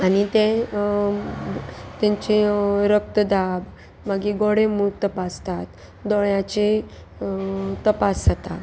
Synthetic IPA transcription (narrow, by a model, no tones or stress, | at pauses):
anit̪ɛ̃ | t̪ɛ̃ɲt͡ɕiɾək̚t̪əd̪ab | maɡiɡɔɽemuɾt̪əpast̪at̪ | d̪ɔɭjãt͡ɕe | t̪əpasːət̪a